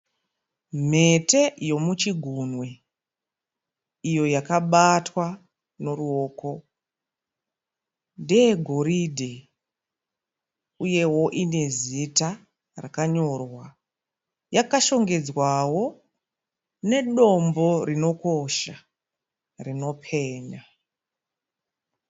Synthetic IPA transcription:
m̤e̞te̞jo̞mut͡ʃiɡʱunwe̞ | ijo̞jakaɓatwa | no̞ruo̞ːko̞ | ndijeɡʱo̞ɾidʱe | uje̞wo̞ʔine̞zita | rakaɲo̞rwa | jakaʃo̞ŋɡe̞d͡zwawo̞ | ne̞ɗo̞mbo̞rino̞ko̞ʃa | rino̞pʰe̞ːɲa

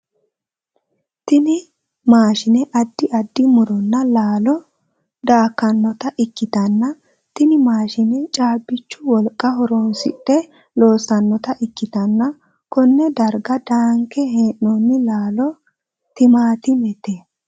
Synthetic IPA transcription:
t̪ɪnɪ | maːʃɪnɛʔɐd̪ːɪʔɐd̪ːɪmʊɾɔnːɐlaːlɔ | d̪aːkːɐnːɔt̪ɐʔɪkːɪt̪ɐnːɐ | t̪ɪnɪmaːʃɪnɛt͡ʃʼaːbːɪt͡ʃːʊwɔlkʼːɐɦɔɾɔnsɪ̰tːɛ | lo̞ːsɐnːɔt̪ɐʔɪkːɪt̪ɐnːɐ | kɔnːɛd̪ɐɾɡɐd̪aːŋkɛɦeːnːɔnːɪlaːlɔ | t̪ɪmaːt̪ɪmɛt̪e

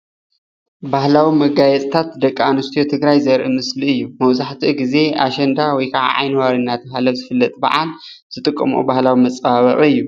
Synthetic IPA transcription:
bahlawimɐɡajɛt͡sʼt̪ʰat̪̚d̪ɐkʼːaanɨst̪ʰijot̪ʰɨɡɾajzɐɾʔɨmɨsliɨjːumɐwzaħt̪ʰiɡize̞ʔaʃɐnd̪awɔjkʰaʕa̰ʕa̰jnɨwaɾɨnːat̪ʰɐhalɐβzɨfɨlːɐt̪ʼbɐ̰ʕa̰l | z̥ɨt̪ʼɨkʼːɐ̰mṵbahlawimɐt͡sʼbaβɐʔʼiɨjːu

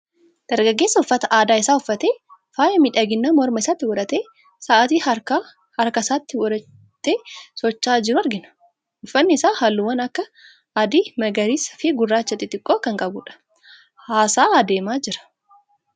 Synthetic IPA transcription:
d̪̥ɐɾɡɐɡːe̞ːsːɐʊfːɐt̪ɐʔaːd̪aːɪsaːʊfːɐt̪eːfaːjɐmɪᶑɐɡɪnːɐmɔɾmɐɪsaːt̪ːɪwɔᶑɐt̪eː | saːʔɐt̪iːɐ | hɐɾkɐsaːt̪ːɪwɔɐ | t̪ːeːsɔt͡ʃːaːd͡ʒɪɾʊɐɾɡɪnɐ̥ | ʊfːɐnːɪsaːhɐlːuwɐnɐkːɐ | ɐd̪iːmɐɡɐɾiːsɐ̥fɪɡʊrːaːt͡ʃːɐt̪ːɪt̪ʼɪkʼːoːkɐŋkʼɐbʊᶑɐ̥ | haːsaːɐd̪e̞ːmaːd͡ʒɪɾɐ̥

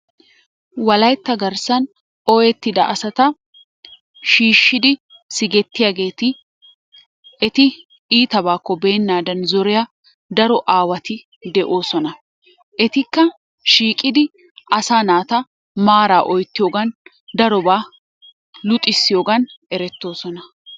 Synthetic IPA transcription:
wɐlɐjt̪ːɐɡɐɾsɐn | ɔjɛt̪ːɪd̪ɐʔɐsɐt̪ɐ | ʃiːʃːɪd̪ɪ | sɪɡɛt̪ːɪjaːɡe̞ːt̪ɪ | ɛt̪ɪ | iːt̪ɐbaːkːɔbe̞ːnːaːd̪ɐnzɔɾɪja | d̪ɐɾɔʔaːwɐt̪ɪ | d̪ɛʔoːsɔnɐ | ʔɛt̪ɪkːɐ | ʃiːkʼɪd̪ɪ | ʔɐsaːnaːt̪ɐ | maːɾaːʔɔjt̪ːɪjoːɡɐn | d̪ɐɾɔbaː | lʊt̪ʼːɪsːɪjo̞ːɡɐnɛɾɛt̪ːo̞ːsɔnɐ

